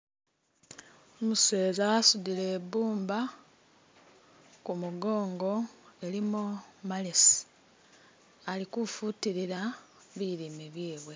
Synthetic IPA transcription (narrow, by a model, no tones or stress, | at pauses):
omuse̞ːzaasudile̞ːbuːmba | kumuɡo̞ːŋɡo̞e̞limumalesi̥ | alikufutiɾiɾa | βiɾimeβjeːβwe̞